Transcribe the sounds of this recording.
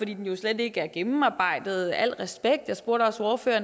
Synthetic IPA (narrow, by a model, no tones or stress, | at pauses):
ɒd̥ḭːd̥enjo̝sled̥e̝ɡ̥əæɐɡ̥emm̩ɑ̈ːb̥ɑ̈ɪ̰d̥ð̞̩ˠæl̰ʁɛsb̥eɡ̥d̥jɑ̈ɪsb̥o̝ɐ̰ɾ̥ɒ̽so̝ɐfø̰ːɐn